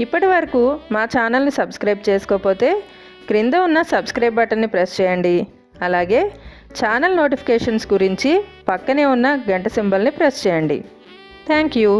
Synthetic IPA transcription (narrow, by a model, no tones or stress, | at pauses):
ipːɐʈiʋɐɾɐkuːmaːt͡ʃaːnɐlnisɐbskɾɐjb̚t͡ʃeːsu̥koːpo̞ːt̪e̞ː | kɾind̪ɐunːɐsɐbskɾɐjb̚bɐʈɐnːipɾest͡ʃɛːjɐɳɖi | ɐlaːɡe̞ː | t͡ʃaːnɐlno̞ːʈipʰi̥kɛːʂɐnsɡuɾiɲt͡ʃipɐkːɐne̞ːunːɐɡɐɳʈɐsimbɐlnipɾest͡ʃɛːjɐɳɖḭ | t̪ʰaːŋkjuː